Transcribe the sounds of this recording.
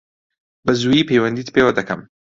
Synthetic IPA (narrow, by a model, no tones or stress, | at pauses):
bɐzujiːpʰejwɐnd̪iːt̪pʰewɐd̪ɐkʰɐm